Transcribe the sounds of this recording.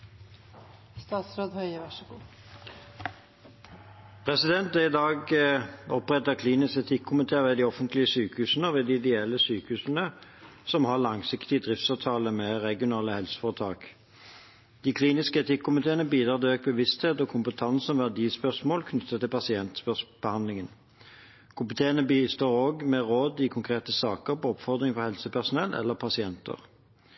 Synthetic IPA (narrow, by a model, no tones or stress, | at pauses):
st̪ɑːt̪sɾoːd̪hœʏəʋɑʂəɡuː | pʰʁɛsɪd̪ɛnt̪̚d̪ɛɪd̪ɑːɡɔpʁɛt̪əkʰliːnɪskɛt̪ʰɪkʰːʊmɪt̪ʰeːʋeːd̪iːɔfənt̪lɪəsyːkəhʉːsn̩əɔʋeːd̪iɪd̪ɛɛlːəsyːkəhʉːsn̩əsɔmhɑʁlɑŋsɪkt̪ɪd̪ʁɪft̪sɑʋt̪ʰɑːləmɛʁɛɡɪʊnɑːləhɛlsə̥fɔʁt̪ʰɑːk | d̪̥iːkʰliːnɪskəɛt̪ʰɪkʰːʊmɪt̪ʰeːənəbiːd̪ʁɑːʁt̪ɛøːk̚bəʋɪst̪heːt̪ɔkʰʊmpət̪ʰɑnsɔmʋæʁd̪iːspœsmoːlkʰnʏt̪ːət̪ːɪlpʰɑsɪɛnt̪spœsb̥əhɑnd̪lɪŋən | kʰʊmɪt̪ʰeːənəbiːst̪oːʁoːɡmɛʁoːd̪ɪkʰʊŋkʰʁeːt̪əsɑːkəɾpɔɔpfɔʁd̪ʁɪŋfɔʁhɛlsəpʰæʁsʊnɛlːʔɛ̰lːəpʰɑsɪɛnt̪ʰə̰ʁ